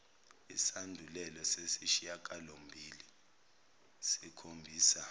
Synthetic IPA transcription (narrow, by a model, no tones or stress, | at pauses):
ḭsandʱulɛlɔsesiʃijakʼalom̩bʱiːli | sikʰombʱiːsa